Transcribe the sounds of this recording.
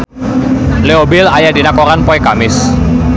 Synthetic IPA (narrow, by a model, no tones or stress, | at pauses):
leobɪlajadinakoɾanpɔɛkamɪs